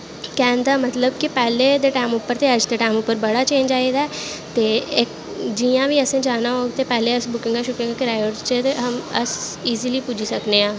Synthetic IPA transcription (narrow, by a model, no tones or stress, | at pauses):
kɛ̃ːnd̪aːmət̪ləb̚kipɛːleːd̪eːʈaːmʊpːəɾt̪eəd͡ʒd̪eːʈaːmʊpːəɾbəɽaːt͡ʃẽːnd͡ʒaːeːɡ̪aː | t̪eːɪk | d͡ʒijãːʋiːəsẽːd͡ʒaːnaːɦoːɡt̪eːpɛːleəsbʊkɪ̃ŋɡaʃʊkɪ̃ŋɡakɪɾaːjəʈst͡ʃet̪eɦəməsiːziːliːpʊd͡ʒisəkneãː